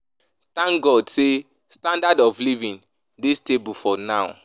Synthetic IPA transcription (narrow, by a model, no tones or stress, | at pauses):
tãŋkɡɔdse | stãndadɔflivĩn | distebufɔnaʊ